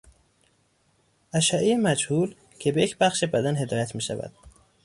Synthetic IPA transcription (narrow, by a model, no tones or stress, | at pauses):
ʔæʃæʔejemæd͡ʒhuːl | cʰebejecʰbæxʃebæd̪ænhe̞d̪ɒːjæt̪ʰmiːʃæ̰væ̰d̪̥̚